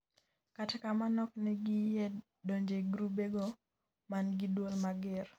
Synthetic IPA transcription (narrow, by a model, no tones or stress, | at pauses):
katɛkamanɔknɛɡɪjɛ | doɲd͡ʒeɡɾubeɡo | manɡɪdwolmaɡɪr